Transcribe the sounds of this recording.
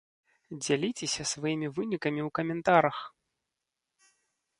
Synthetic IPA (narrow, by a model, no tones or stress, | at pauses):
d͡zʲalʲit͡sʲɛsʲɐsvajimʲivɨnʲikɐmʲiwkɐmʲɛnt̪aɾɐx